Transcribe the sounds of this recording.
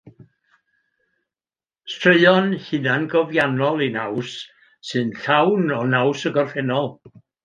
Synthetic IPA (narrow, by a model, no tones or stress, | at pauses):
stʰrəɨɔnhɨnanɡɔvjanɔlˠinawsː | ɨnɬawnɔnawsəɡɔrfɛnɔlˠ